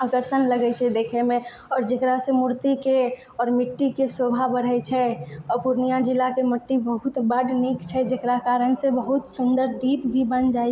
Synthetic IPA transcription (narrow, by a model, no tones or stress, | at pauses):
əkəɾsənləɡɛt͡ʃʰɛd̪eːkʰemẽ | ɔːɾd͡ʒekɾasemuɾt̪ike | ɔːɾmɪʈːikesobʱabəɾət͡ʃʰɛɔɾpuɾnijãd͡ʒilakeməʈːibəɦut̪bəɖnikt͡ʃʰɛd͡ʒekɾakaɾənsebəɦut̪sʊnd̪əɾd̪ipbʱibənd͡ʒa